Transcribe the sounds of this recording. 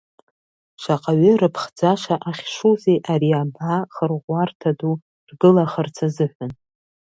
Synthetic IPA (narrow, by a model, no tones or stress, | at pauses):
ʂaqʼaɥʏrɨpʰχd͡zaʂaʔaχʲʂuziʔaɾiabaχərʁʷartʰadu | rɡɨlaχərt͡sʰazɨħʷʊn